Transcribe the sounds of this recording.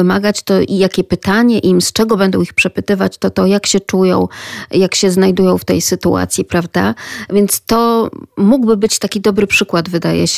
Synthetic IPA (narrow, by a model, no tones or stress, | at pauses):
ɘmaɡat͡ɕt̪ɔʔijakʲɛpɘt̪aɲɛʔimst͡ʂɛɡɔbɛnd̪ɔ̃w̃ixpʂɛpɘt̪ɘvat͡ɕt̪ɔt̪ɔjakɕɛt͡ʂujɔ̃w̃jakɕɛznajd̪ujɔ̃w̃ft̪ɛ̰jsɘt̪ṵa̰t̪sʲjipɾavd̪a̰vʲjɛnt̪st̪ɔmuɡbɘbɘt͡ɕt̪akʲid̪ɔbɾɘpʂɘkwad̪vɘd̪ajɛ̰ɕ